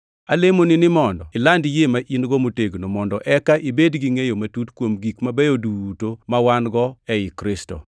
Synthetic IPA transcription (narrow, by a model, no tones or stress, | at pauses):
alemonɪnɪmɔndɔɪlandjemaʔinɡɔmoteɡnomɔndɔʔɛkaʔibedɡiŋejomatutkwomɡikmabɛjoduutomawanɡɔɛɪkɾɪsto̰